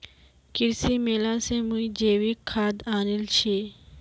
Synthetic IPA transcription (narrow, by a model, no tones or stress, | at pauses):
kiɾsimelãsẽmũid͡ʑeʋikʰːad̪anilt͡ɕʰe